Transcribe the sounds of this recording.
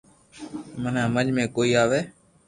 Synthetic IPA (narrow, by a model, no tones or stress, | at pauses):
mənãːməɲd͡ʒmẽːkoːiːaːʋeː